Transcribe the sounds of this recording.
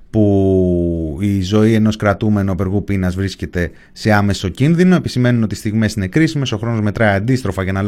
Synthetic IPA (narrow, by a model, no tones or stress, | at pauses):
pu | izo̞ie̞no̞skɾɐt̪ume̞nope̞ɾɣupinɐzvɾisce̞t̪e̞ | se̞ɐme̞so̞cinðino̞e̞pisime̞nuno̞t̪ist̪iɣmesine̞kɾisime̞so̞xɾo̞no̞zme̞t̪ɾɐiɐnd̪ist̪ɾo̞fɐcɐnɐl